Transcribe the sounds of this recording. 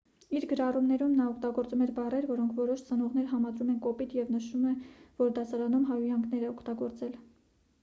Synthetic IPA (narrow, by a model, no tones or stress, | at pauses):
iɾɡəɾɑrumnɛɾumnɑɔkʰt̪ɑɡɔɾt͡sumɛɾbɑrɛɾvɔɾɔŋkʰvɔɾɔʃt͡sənɔʁn̪ɛɾɦɑmɑd̪ɾumɛnkɔpit̪jɛvnəʃumɛvɔɾd̪ɑsɑɾɑnumɦɑjujɑŋɡʰnɛɾɛɔkʰt̪ɑɡɔɾt͡sɛl